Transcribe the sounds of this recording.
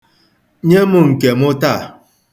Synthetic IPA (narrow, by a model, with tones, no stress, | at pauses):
ɲe˦mʊ˦ŋ̩˨ke˨mʊ˦ta˦˨